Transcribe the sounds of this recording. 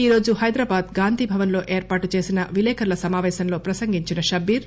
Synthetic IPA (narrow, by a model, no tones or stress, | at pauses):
iːɾo̞ːd͡ʒuɦɐjd̪ɾaːbaːd̪ɡaːnd̪iːbʱɐʋɐnlo̞ːʔe̞ːɾpaːʈut͡ʃe̞ːsinɐʋilɛːkʰɐɾlɐsɐmaːʋɛːsɐnloːpɾɐsɐŋɡiɲt͡ʃinɐʃɐbiɾ